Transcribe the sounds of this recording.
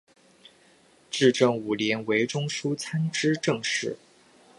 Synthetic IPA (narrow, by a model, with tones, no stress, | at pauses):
ʈ͡ʂɻ̩˥˧ʈ͡ʂɤ˥˩ŋu˨˩ljɛ˧˥nwe˧˥ɪʈ͡ʂʊ˥ŋʂu˥t͡sʰa˥nʈ͡ʂɻ̩˥ʈ͡ʂɤ˥˧ŋʂɻ̩˥˩